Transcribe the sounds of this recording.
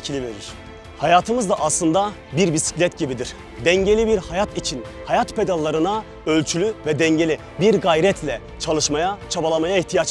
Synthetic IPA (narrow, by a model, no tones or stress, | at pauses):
cʰilʲiveɾiɾ̥ | hajaːt̪ʰɯmɯzd̪aʔaslˠɯnd̪a | biɾbisi̥clʲɛt̪ɟibid̪iɾ̥ | d̪ɛɲɟe̞lʲibiɾhajat̪it͡ʃʰinhajat̪pʰe̞d̪alˠːaɾɯna | ølʲt͡ʃʰylʲyvɛd̪ɛɲɟe̞lʲi | biɾɡajɾɛt̪ʰlʲɛ | t͡ʃʰalˠɯʃmajat͡ʃʰabalˠamajaiht̪ʰijat͡ʃ